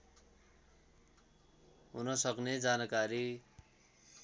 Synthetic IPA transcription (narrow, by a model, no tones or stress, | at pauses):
ɦunʌsʌkned͡zanʌkaɾi